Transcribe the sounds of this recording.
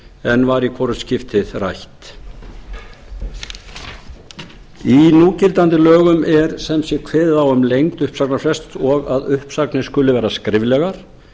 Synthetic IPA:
ɛnvaɾikʰvɔɾʏscɪft̪ɪðra̰jht̪ | inuːcɪɾt̪ant̪ɪlœːɣʏmɛɾsɛmsjɛkʰvɛððawʏmlejŋt̪ʏhpsaknafɾɛst̪ɔɣaðʏhpsaknɪ̥skʏlːʏvɛːɾaskɾɪvlɛɣaɾ̥

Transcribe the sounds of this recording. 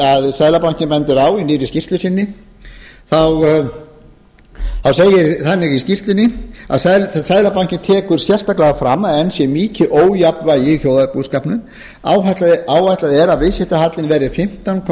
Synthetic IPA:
aðsaːðlapan̥cɪnpɛnt̪ɪɾaːwinɪːɾɪscir̥t̪lʏsɪnːɪ | θaw | θawseːjɪɾθanːɪɣiscir̥t̪lɪnɪa̰ðsaasajðlapan̥cɪnt̪ʰɛːkʏɾ̥sjɛr̥st̪aklaɣafɾamːaðɛnsjɛmiːcɪʔoːwjapvajɪθjoːwðaðɪpuːðskaːpnʏn | aːwɦat̪laðaːwhat̪laðɪɛɾaðvɪsjɪht̪ahat̪lɪnvɛːɾɪfɪm̥t̪ankʰ

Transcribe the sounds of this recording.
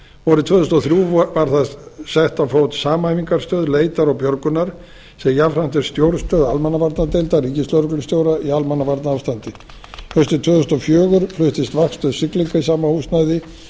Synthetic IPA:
vɔɾʏt̪ʰvœːθʏst̪ɔθɾjuːvaɾ̥θasɛht̪afowt̪saːmaajviŋkaɾst̪œːðleːjt̪aɾawpjœɾkʏnaɾ̥ | sɛmjavɾ̥an̥t̪ɛɾ̥st̪jowɾst̪œːðalmɛnːavaɾt̪nat̪ɛlt̪ariːcɪst̪lœɾʏklɪst̪jowɾaialmanːavaɾt̪naaːvst̪ant̪ɪ | hœɥst̪ɪt̪ʰvœːðʏst̪ɔfjœːɣʏɾ̥flʏht̪ɪst̪vakst̪œðsɪkliŋkaisaːmahust̪najðɪ

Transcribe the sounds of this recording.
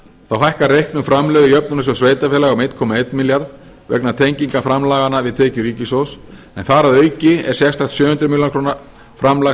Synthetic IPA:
θawɦajhkarejhknʏmfɾamlœðɪjœpnʏnas̬ɛmsveːjt̪afɛːlaɣawmejt̪kʰɔːmaejt̪miljaɾð | vɛ̰knat̪ʰejɲciŋkafɾamlaːɣanavɪðt̪ʰɛːcʏɾiːcɪsows | ɛnθaɾaðœːɥcɪɛɾ̥sjɛxst̪aht̪sjœːhʏnt̪ɾʏmiljankʰɾoːna | fɾamla

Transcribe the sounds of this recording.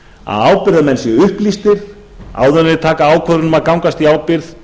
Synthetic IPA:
a̰ðaːwpɪɾðamɛnsjɛʏhplist̪ɪɾ̥ | a̰ːwðʏnɪt̪ʰaːkaaːwkʰœðɾʏnʏmaðkawŋkast̪iaːwpɪɾθ

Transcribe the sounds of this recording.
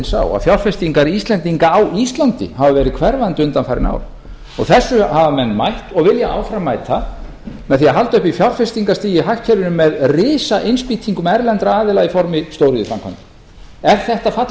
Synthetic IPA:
nsa̰wa̰fjawlfɛst̪iŋkaɾist̪lɛnt̪iŋkaːwist̪lant̪ɪ̰havavɛːɾɪðkʰvɛɾvant̪ʏnt̪anfajɾɪ̰na̰ːwl | ɔ̰ɣθɛsːʏhavamɛnːmajht̪ɔɣvɪljaʔaːwfɾamːaːjt̪ʰa | mɛðθiaɦalt̪ʏhpifjawlfɛst̪iŋkast̪iːjɪɦahcʰɛɾɪnʏmːɛðrɪːsaʔejnspiːt̪ʰiŋkʏmɛɾlɛnt̪ɾaaːðɪlaɣifɔɾmɪst̪owɾʏðɪfɾamkʰa̰nt̪ | ɛɾ̥θɛht̪afat̪

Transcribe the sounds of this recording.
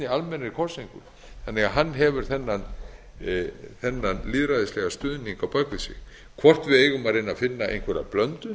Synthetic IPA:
ɪalmɛnɪɾkʰɔr̥siŋkʏm | θanːɛɣaɦanːɦɛvʏɾ̥θɛnːan | θɛnːanlɪðɾaðɪslɛɣast̪ʏːðniŋkawpœkvɪsɪ̰x | kʰvɔr̥t̪vɪðeːjɣʏmaɾɪnːafɪnːaḛjnkʰvɛɾa̰plœnt̪ʏ

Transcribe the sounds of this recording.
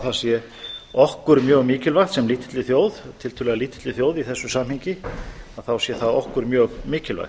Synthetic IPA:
θasjɛ | ɔhkʏɾmjœːɣmiːcɪlvajxt̪sɛmliːt̪ʰɪ̥t̪lɪθjoːwðt̪ʰɪlt̪ʰʏlɛɣaliːt̪ʰɪt̪ɪθjoːwðiθɛsːʏsamhiɲcɪaðθawsjɛθaðɔhkʏɾmjœːɣmiːcɪlva̰jx

